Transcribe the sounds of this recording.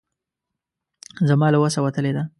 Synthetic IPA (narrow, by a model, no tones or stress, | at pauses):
zamɑlawasawat̪əled̪a